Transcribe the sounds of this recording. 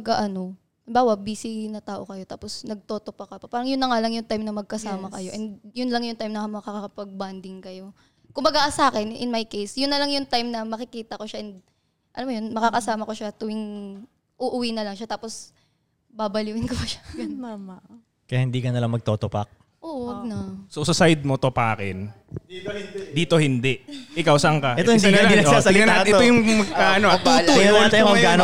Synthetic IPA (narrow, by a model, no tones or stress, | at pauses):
mɐɡaʔɐno̞ | baːwɐbiːsɪnɐt̪aːʔo̞kɐjo̞t̪aːposnɐɡ̚t̪oːt̪opɐkɐpɐpaːɾɐŋjʊnːɐŋalɐŋjʊŋt̪ajmnɐmɐɡ̚kɐsaːmɐkɐjo̞ʔɛnd̪jʊnlɐŋjʊŋt̪ajmnɐmɐkakɐkɐpɐɡ̚band̪ɪŋkɐjo̞ | kʊmbɐɡasaːkɛnɪ̰nmajkejsjʊnːɐlɐŋjʊŋt̪ajmnɐmɐkɪkiːt̪ɐko̞ʃaʔɛnd̪ | ʔɐlamojʊnmɐkakɐsaːmɐkoʃat̪ʊwɪŋ | ʔʊʔʊwiːnɐlɐŋʃat̪aːpos | baːbɐluːʔɪnkobɐʃḁɡɐnamɐ | kɐjahɪnd̪iːkɐnɐlaŋmɐɡ̚t̪oːt̪opa̰k̚ | ʔoːʔwɐɡ̚nɐsosɐsajd̪̚mot̪opaːkɛ̰n | d̪iːt̪o̞hɪnd̪ɛʔʔɪkawsɐɐŋkɐɛt̪oɪnd̪inɐd̪iɐasɐlɪŋɐnaɛt̪ojʊŋmɐɡ̚kaʔɐnoɐt̪ulut̪ajɐɡano